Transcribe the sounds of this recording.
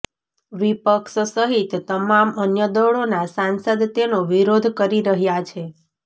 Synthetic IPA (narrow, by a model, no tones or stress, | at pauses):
ʋipəkʃsəɦit̪ːəmamənjəd̪əɭonasansəd̪t̪enoʋiɾod̪ʱkəɾiɾəɦjat͡ʃʰe